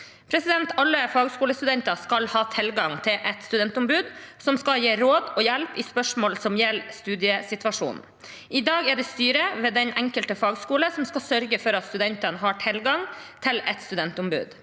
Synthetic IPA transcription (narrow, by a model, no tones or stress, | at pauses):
pʰɾɛsɪd̪ɛnt̪ʰɑlːəfɑːɡskuːləst̪ʉd̪ɛnt̪ɑskɑlhɑːt̪ʰɪlɡɑŋt̪ʰɪlʔɛt̪st̪ʉd̪ɛnt̪ʊmbʉːd̪sɔmskɑljeːɾoːd̪ɔːjɛlpɪspœʂmoːlsɔmjɛlːst̪ʉːd̪ɪəsɪt̪ʋɑʂṵːnn̩ | ʔɪd̪ɑːɡɛɖɛːst̪yːɾəʋeːd̪ɛnʔɛŋkəlt̪əfɑːɡskuːləsɔmskɑlsœɾɡəfɔɾɑt̪st̪ʉd̪ɛnt̪ənəɦɑʈʰɪlɡɑŋt̪ʰɪlɛt̪st̪ʉd̪ɛnt̪ʊmbʉ̰ːd̪